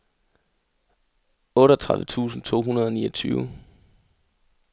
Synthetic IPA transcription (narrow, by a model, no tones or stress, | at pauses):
ɔ̽ːɾəɐt͡sʰʁaðʋət͡sʰṵːsn̩t͡sʰo̝̰ːɦunɐð̞ˠɒniːɒt͡sʰyːʊ